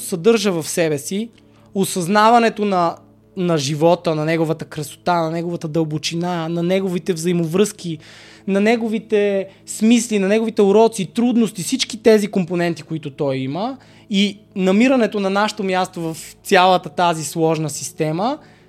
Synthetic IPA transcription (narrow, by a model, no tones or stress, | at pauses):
sɐd̪ɤɾʒəvɐfsɛbɛsi | osɐznavɐnɛt̪onɐ | nɐʒivɔt̪ənɐnɛɡovət̪əkɾɐso̥t̪anɐnɛɡovət̪əd̪əlˠbot͡ʃinanɐnɛɡovit̪ɛvzɐimovɾɤsk̟inɐnɛɡovit̪ɛsmislinɐnɛɡovit̪ɛʊɾɔt̪sit̪ɾud̪nost̪ifsit͡ʃkit̪ɛzikomponɛnt̪ikʊit̪ʊt̪ɔjimə | inɐmiɾɐnɛt̪onɐnaʃɛ̥t̪omjast̪ovɐft̪sʲjalˠət̪ət̪azislˠɔʒnəsi̥st̪ɛmə